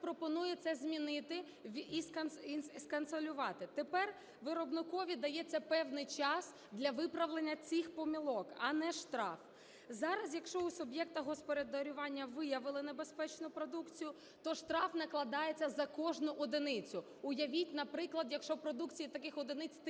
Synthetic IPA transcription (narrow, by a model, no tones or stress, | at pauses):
pɾɔpɔnujɛt̪sɛzʲmʲinɪt̪ɪ | ʋʲiiskɐnisskɐnsɔlʲʊʋɑt̪ɪt̪epɛr | ʋɪɾɔbnɪkɔʋʲid̪ɐjɛt͡sʲːɐpɛwnɪjt͡ʃɑs | d̪lʲɐʋɪpɾɐʋlˠenʲːɐt͡sʲixpɔmʲilˠɔkɐnɛʃt̪ɾɑ̰f | zɑɾɐsjɐkʃt͡ʃɔusʊbjɛkt̪ɐɦɔspɔɾed̪ɔɾʲʊʋɑnʲːɐʋɪjɐʋɪlˠɪnebe̞spɛt͡ʃnʊpɾɔd̪ukt͡sʲijʊ | t̪ɔʃt̪ɾɑfnɐklˠɐd̪ɑjet͡sʲːɐzɐkɔʒnʊʔɔd̪ɪnɪt͡sʲʊ | ʊjɐʋʲitʲnɐpɾɪklˠɐd̪jɐkʃɔpɾɔd̪ukt͡sʲijit̪ɐkɪxɔd̪enɪt͡sʲt̪